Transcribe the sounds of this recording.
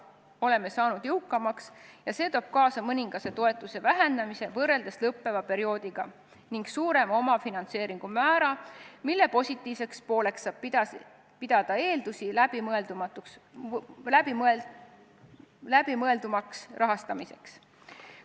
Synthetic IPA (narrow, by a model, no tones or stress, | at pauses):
o̞le̞me̞sɑːnud̪̥jɤwkːˑɑmɑksjɑse̞ːt̪o̞ːb̥̚kɑːsɑmɤnʲiŋɡ̥ɑse̞t̪o̞e̞t̪ˑːuse̞væɦend̪ɑmise̞vɤrːe̞ld̪̥eslɤpːe̞vɑpe̞ɾio̞ːd̪̥iɡ̥ɑ | niŋɡ̥suːɾe̞mo̞mɑfinɑnt̪se̞ːɾiŋɡ̥umæːɾɑmilːe̞po̞sʲit̪ˑːiːvse̞kspo̞ːle̞ksɑːb̥pi | pid̪̥ɑd̪̥ɑe̞ːld̪usilæbimeld̪umɑt̪uks | læbime | læb̥imɤe̞ld̪umɑksrɑɦɑst̪ɑmise̞̰ks